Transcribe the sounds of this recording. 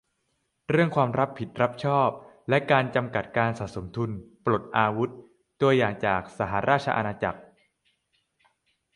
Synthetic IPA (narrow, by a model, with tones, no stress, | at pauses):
ɾɯ˥˩əŋkʰwaː˧mɾa˦˥pʰːi˨˩t̪̚ɾa˦˥p̚t͡ɕʰɔː˥˩p̚ | lɛ˦˥kaː˧nt͡ɕa˧mka˨˩t̪̚kaː˧nsaː˨˩so˩˦mt̪ʰu˧npɾo˨˩t̪̚ʔaː˧wu˦˥t̪̚ː | u˧ɐjaː˨˩ŋt͡ɕaː˨˩k̚sa˧˩ɦa˩˦˥ɾʔaː˥˩t̪̚t͡ɕʰa̰˧ʔa̰˧naː˧t͡ɕa˨˩k̚